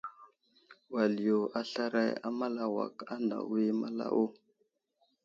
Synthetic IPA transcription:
wa˨li˨jo˨ʔa˨ɬa˦ɾa˦ja˦ma˦la˨wa̰˨ka˦na̰˨wi˦ma˦la̰˦ʔo˦

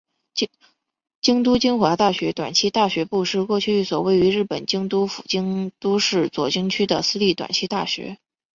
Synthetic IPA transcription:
t͡ɕ | t͡ɕi˥ŋt̪̬u˥t͡ɕi˥ŋxwa˧˥t̪a˥˩ɕɥɛ˧˥t̪wa̰˨˩nt͡ɕʰi˥t̪a˥˩ɕɥɛ˧˥pu˥˧ʂɻ̩˥˧kwɔ˥˧t͡ɕʰy˥˧i˥˩swɔ˨˩we˥˩ɪy˧˥ɻɻ̩˥˩pə˨˩nt͡ɕi˥ŋt̪u˥fu̥̰˨˩t͡ɕi˥ŋt̪u˥ʂɻ̩˥˩t͡swɔ˨˩t͡ɕi˥ŋt͡ɕʰy˥d̪ə˨sɹ̩˥li˥˩t̪wa̰˨˩nt͡ɕʰi˥t̪a̰˥˩ɕɥɛ̰˧˥

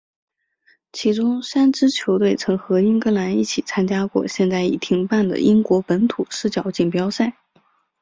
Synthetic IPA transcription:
t͡ɕʰi˧˥ʈ͡ʂʊ˥ŋʂa˥nʈ͡ʂɻ̩˥t͡ɕʰjo˧˥ʊt̪we˥˩ɪt͡sʰɤ˧˥ŋxɤ˧˥i˥ŋkɤ˥la˧˥ni˥˩t͡ɕʰi˨˩t͡sʰa˥nt͡ɕja˥kwɔ̰˥˧ɕjɛ˥˧nt͡sa˥˩ɪḭ˨˩t̪ʰi˧˥ŋpa˥˩nd̪ə̰˩ʔi˥ŋkwɔ˧˥pə˧˥nt̪ʰu˨˩ʂɻ̩˥˩t͡ɕjɑ˨˩ʊt͡ɕi˥˩ŋpjɑ˥ʊsa˥˩ɪ

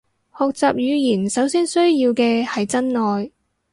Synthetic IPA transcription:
hɔː˨k̚t͡saː˨p̚jyː˨˧jiː˨˩nsɐ˨˥wsiː˥nsɵ˥ɥjiː˧wkɛː˧hɐ˨jt͡sɐ˥nnɔː˨j

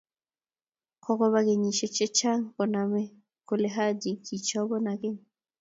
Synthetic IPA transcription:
kʰɔ˦kɔ˦βa˦ɣe˨ɲi˨ʃɛ˦t͡ʃɛ˦t͡ʃa˦ŋkɔ˨na˨mɛ˦ | ko˦le˦ɦa˦d͡ʒi˨kʰi˨t͡ʃɔ˦bɔ˦na˨kɪ˦ɲ

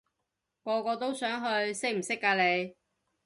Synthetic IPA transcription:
kɔː˧kɔː˧t̪o˥wsœː˨˥ŋɦɵ˧ɥsɪ˥m̩˨˩sɪ˥kːaː˧le˨˧j

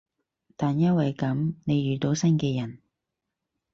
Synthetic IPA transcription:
t̪aː˨njɐ˥wɐ˨jkɐ˨˥mne˨˧jɥyː˨t̪o˨˧wsɐ˥nkɛː˧jɐ˨˩n

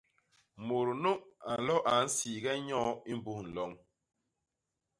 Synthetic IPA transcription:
mo˨ɾno˦ʔa˨n̩˨lɔ˦ʔa˨n̩˦siː˨ɡɛ˦ɲɔ̃˦i˦m˦bu˦˨n̩˨lɔ˨˦ŋ

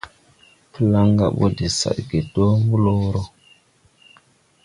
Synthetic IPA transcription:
pə˦la˦ŋɡa̰˦˨ɓo̰˦de˨sa̰˨ɗɡe˨do˦mbu˦lo˦ɾo˦

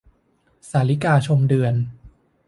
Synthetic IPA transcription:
saː˩˦li˦˥kaː˧t͡ɕʰo˧mdɯ˧ən

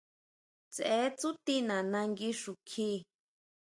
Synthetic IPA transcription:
t͡se˨˦t͡su˦t̪i˦nã˨nã˧ŋɡi˧ʂu˨kʰiː˦

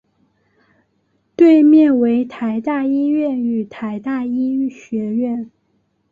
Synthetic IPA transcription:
t̪we˥˧ɪmjɛ˥˩nwe˧˥ɪt̪ʰa˧˥ɪt̪a˥˩i˥ɥɛ˥˩ny˨˩t̪ʰa˧˥ɪt̪a˥˩i˥y˥˩ɕɥɛ˧˥ɥɛ˥˩n

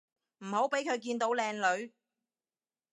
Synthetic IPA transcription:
m̩˨˩ho˨˥wpe˨˥jkʰɵ˨˧ɥkiː˧nt̪o˨˥wlɛː˧ŋlɵ˨˧ɥ

